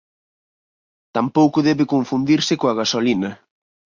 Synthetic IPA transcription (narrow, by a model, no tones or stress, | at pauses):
t̪ampowkʊðɛβɪkoɱfund̪iɾsɪkoɐɣasolinɐ